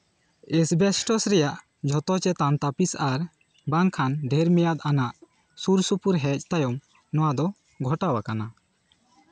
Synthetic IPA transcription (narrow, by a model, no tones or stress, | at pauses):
ɛsbɛsʈɔsɾɛjaʔ | d͡ʒʱɔt̪ɔt͡ʃɛt̪ant̪apisaɾ | baŋkʰanɖʱɛɾmɛjat̪̚anaʔ | suɾsupuɾɦɛc̚ˀt̪ajɔm | nɔwad̪ɔ | ɡʱɔʈawakana